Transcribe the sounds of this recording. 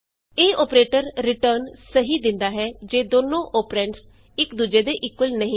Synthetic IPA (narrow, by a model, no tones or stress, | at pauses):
eːɔːpɾeːʈəɾːɪʈəɾnsəɦiːd̪ɪnd̪aːɦɛːd͡ʒeːd̪oːnõːʔoːpɾɛ̃ːɳʈs | ɪkd̪uːd͡ʒeːd̪eːʔɪkːʊlnəɦĩː